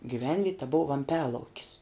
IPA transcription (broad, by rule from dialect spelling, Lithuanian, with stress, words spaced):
ɡʲiːˈʋʲɛnʲʋʲiɛtʲ tɐ bʊw ʋɐmʲˈpʲæːlˠɐʊkʲɪs